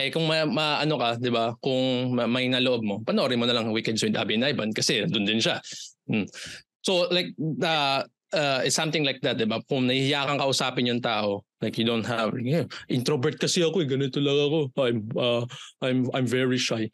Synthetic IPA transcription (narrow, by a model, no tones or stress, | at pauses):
ʔɛkʊŋmɐmɐʔɐno̞kɐd̪ɪbakʊŋɐmɐjnɐloʔob̚mopɐnʔoːɾɪmonɐlɐŋwikɛnd̪swɪd̪ʔa̰binʔajbɐnkɐsɛnd̪ʊnd̪ɪnʃa | solajk̚ɐ | ʔɐɪt̪sɐ̃mt̪ɪŋlajk̚d̪ɐt̪̚d̪ɪbakʊŋnɐhihɪjaːkɐŋkɐʔʊsaːpɪnjʊŋt̪aːʔo̞lajkjʊd̪ont̪̚ɦavʔɪnt̪ɾobɛɹt̪̚kɐsɛɐkoɛɡɐnɪt̪olɐɡako̞ajmɐʔajmajmvɛɹiʃaj